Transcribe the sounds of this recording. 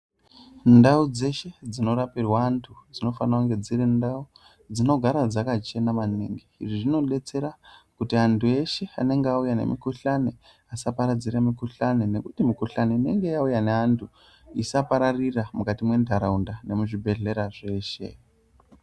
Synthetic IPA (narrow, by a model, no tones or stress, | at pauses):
ndaud͡ze̞ʃe̞d͡zino̞ɾapirwaːntʰud͡zino̞fanauŋɡe̞d͡zirindau | d͡zino̞ɡʱaɾad͡zakat͡ʃe̞namaneŋɡiḭʐiʐino̞ɗe̞t͡se̞ɾakutiantʰue̞ʃe̞a̰ne̞ŋɡeaujane̞̰mḭkuɬane | asapaɾad͡ziramikuɬanene̞kutimikuɬaneine̞ŋɡe̞jaujaneantʰu | isapaɾariramukatimwe̞ndʱaɾaundane̞muʐibʱe̞ɮe̞ɾaʐe̞ːʃe̞̰